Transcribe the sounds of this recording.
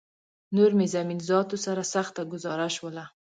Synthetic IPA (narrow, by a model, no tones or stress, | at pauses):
nʊɾmezaminzɑt̪osaɾasaχt̪aɡʊzɑɾaʃwəla